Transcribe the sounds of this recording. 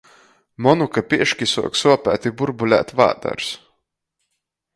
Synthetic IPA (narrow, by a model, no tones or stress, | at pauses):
mɔnukapʲiɛʃkʲisṵɔksuɔpʲæːt̪ibuɾbulʲæ̰ːt̪va̰ːd̪a̰ɾs